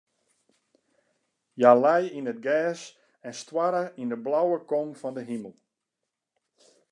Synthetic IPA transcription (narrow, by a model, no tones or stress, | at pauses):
jalɛjinət̚ɡɛːs | ɛnstwaɾəindəblawəkɔŋfɔndəɦiməlˠ